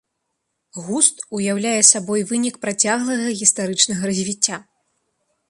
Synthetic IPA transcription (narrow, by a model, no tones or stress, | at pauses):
ɣust̪ujawlʲajɛsabɔjvɨnʲikpɾat͡sʲaɣlˠɐɣɐɣʲist̪aɾɨt͡ʂnɐɣɐɾɐzʲvʲit͡sʲːa